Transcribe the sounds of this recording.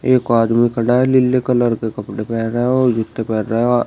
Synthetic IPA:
eːkoaːd̪mikʰɐɽaːɦɛlɪlːekɐləɾkekɐpɽepɛːnɾeɦɛ̃oːd͡ʒʊt̪ːepɛːnɾeɦɛ

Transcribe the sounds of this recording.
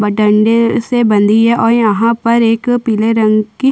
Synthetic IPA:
bəʈə̃ɳɖesebə̃nd̪iɦɛʔɔːɾjɐɦãpɐɾeːkpiːleɾɐ̃ŋɡki

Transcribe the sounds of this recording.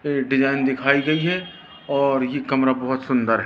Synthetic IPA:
eɖɪd͡ʒaːɪnd̪ɪkʰaːiɡɐiɦɛ | ɔːɾjekɐmɾabɐɦʊt̪sʊ̃nd̪əɾɦɛ

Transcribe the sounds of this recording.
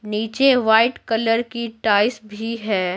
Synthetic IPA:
niːt͡ʃeʋaːɪʈkɐləɾkiʈaːɪsbʱiɦɛː

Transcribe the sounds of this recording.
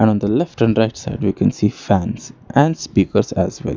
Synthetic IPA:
ɛ̃nɔ̃ːnd̪əlɛfʈɛ̃ɳɖɾaɪʈsaɪɖʋiːkʰɛ̃nsiːfæ̃nsʔæ̃ɳɖspiːkəɾsæ̰zwɛ̰l

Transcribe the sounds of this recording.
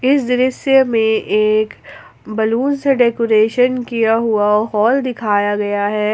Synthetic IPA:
ɪsd̪ɪɾəsjəmẽʔeːk | bɐluːnseɖeːkoːɾeːʃənkijaɦuaɔːɦɔːld̪ɪkʰaːjaɡɐjaɦɛː

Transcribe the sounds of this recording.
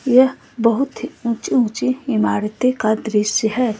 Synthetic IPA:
jɐ | bɐɦʊt̪ũːt͡ʃiũːt͡ʃiɪmaːɾt̪ekad̪ɾɪʃəɦɛː

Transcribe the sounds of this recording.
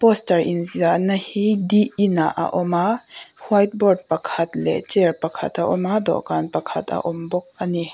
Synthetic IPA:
pɔstɐɹʔinzianɐhidiʔinaʔa̰ʔɔmahwajt̪̚bɔrd̚pɐkʰɐt̪lɛ̰t͡ʃɛrpɐkʰɐ̰t̪ɐʔɔmad̪ɔ̰ʔkanpɐkʰɐt̪ʰɐ̰ʔɔmbɔk̚ɐni

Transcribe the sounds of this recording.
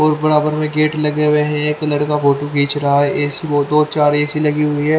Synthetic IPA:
ɔːɾbɐɾaːbəɾmẽɡeːʈlɐɡɾəɦeɦɛ̃ekɐləɽkabʱoːʈukiːt͡ʃɾɐɦaɦɛʔɛːsioːd̪oːt͡ʃaːɾɛːsilɐɡiɦʊiɦɛː

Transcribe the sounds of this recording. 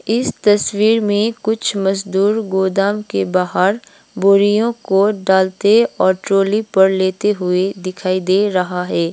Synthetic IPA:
ɪst̪ɐswiːɾmẽkʊt͡ʃʰmɐzd̪uːɾɡoːd̪aːmkebaːɦəɾ | boːɾijõkoɖaːlt̪eɔːɾʈɾoːlipɐɾleːt̪eɦʊed̪ɪkʰaːid̪eːɾɐɦaɦɛː

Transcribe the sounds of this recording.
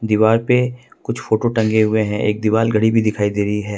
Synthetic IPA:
d̪iːʋaːɾpekʊt͡ʃʰfoːʈoʈɐ̃ŋɡeɦʊeɦɛ̃ʔeːk̚d̪iʋaːlɡʱɐɽibʱid̪ɪkʰaːid̪eːɾəiɦɛː

